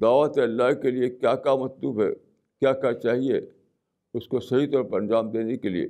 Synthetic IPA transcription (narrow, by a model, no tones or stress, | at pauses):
d̪aːʋət̪eɐlːaɦkeliekjaːkamɐt̪luːbɦɛ̰ | kjaːkat͡ʃaːɦie | ʊskosɐɦit̪ɔːɾpɐɾɐ̃nd͡ʒaːmd̪eːnekeliḛː